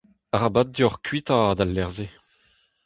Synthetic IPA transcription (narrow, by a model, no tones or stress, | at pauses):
aʁabad̪̚diɔʁkʰɥit̪ad̪alːɛʁze